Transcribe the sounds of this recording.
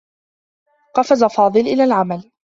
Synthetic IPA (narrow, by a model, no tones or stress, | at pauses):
qɑfazafɑːd̪ˤɨlʔɪlaːlʕamal